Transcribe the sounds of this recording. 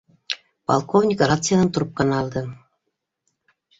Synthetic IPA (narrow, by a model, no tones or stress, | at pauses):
pɑ̰lˠkovnʲɪkrat̪sɨjad̪ɑnt̪uɾup̚kɑnɑlˠd̪ɤ